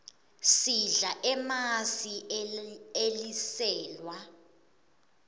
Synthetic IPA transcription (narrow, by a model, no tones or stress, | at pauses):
siɮaʔɛmasi | elisɛːlwa